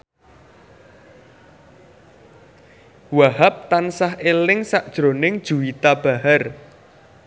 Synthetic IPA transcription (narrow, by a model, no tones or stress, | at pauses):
waɦap̚t̪ansahʔelɪŋsaʔd̥ʒ̥ɾonɪŋd̥ʒ̥ṳwit̪ab̥a̤ɦar